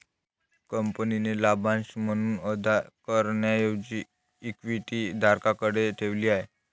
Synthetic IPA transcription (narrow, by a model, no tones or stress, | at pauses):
kəmpəninelabʱãnsm̤əɽ̃uːnəd̪ʱakəɾɳjajod͡ʑiː | kʋiʈid̪ʱaɾkakəɽeʈʰeʋliːaɦe